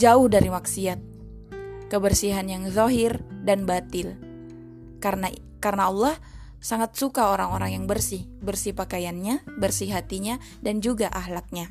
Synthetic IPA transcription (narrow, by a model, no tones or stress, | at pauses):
d͡ʒaʊhdaɾimaksiat̪̚ | kəbərsiɦanjaŋðɔɦɪrdanbat̪ɪl | kana | karənaɑlːɑh | saŋat̪̚sukaoɾaŋoɾaŋjaŋbərsɪhbərsihpakajanɲabərsiɦat̪iɲa | dand͡ʒuɡaʔaɦlat̪̚ɲa